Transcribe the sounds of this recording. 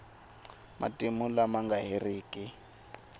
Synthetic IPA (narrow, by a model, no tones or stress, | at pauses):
mʔa̰tʼimulamaŋɡaɦeriːkʼi